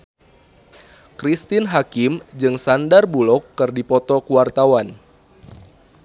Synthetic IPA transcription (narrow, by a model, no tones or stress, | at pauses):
kɾist̪inɦakɪmd͡ʒɨŋsandarbulɔkːɨrdipɔt̪ɔkuwart̪awan